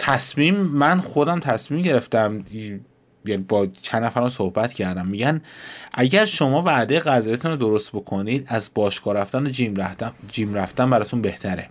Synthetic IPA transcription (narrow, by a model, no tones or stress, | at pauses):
t̪ʰæsmiːmːænxo̞d̪æmt̪ʰæsmiːmɟe̞ɾe̞ft̪æm | jænibɒt͡ʃʰænːæfæɾæmsohbæt̪cʰæɾd̪æmːiɟænʔæɟæɾʃo̞mɒːvæd̪ejeɣæzɒːjet̪ʰunɾod̪oɾost̪̚bo̞kʰo̞niːd̪æzbɒːʃkʰɒːɾæft̪æneimd͡ʒiːmɾæft̪æmbæɾɒːt̪ʰunbe̞ht̪ʰæɾe